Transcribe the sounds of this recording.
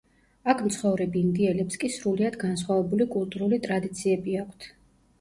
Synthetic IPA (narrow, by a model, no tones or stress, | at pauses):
akʰmt̪sʰχɔvɾɛbiːnd̪iɛlɛpskʼisɾuliad̪ɡans̬χwavɛbulikʼulˠt̪ʼuɾulit̪ʼɾad̪it̪sʰiɛbiakʷʰt̪ʰ